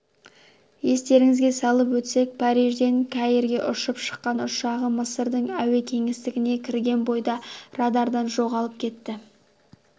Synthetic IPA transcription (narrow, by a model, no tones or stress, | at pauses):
je̞st̪e̞ɾɪŋɪzɡʲe̞sɑlˠəpwɵt̪se̞k̚pʰɑɾiʒd̪e̞ŋkʲʰɑjeɾɡʲe̞ʔʊʃəpʃə̥qːɑnʊʃɑʁəməsəɾd̪əɴæwe̞kʲʰe̞ŋɪst̪ɪɡʲɪne̞kʲʰɪɾɡʲe̞nbo̞jd̪ɑrɑd̪ɑɾd̪ɑnʒo̞ʁɑlˠəp̚kʲʰe̞t̪ːɪ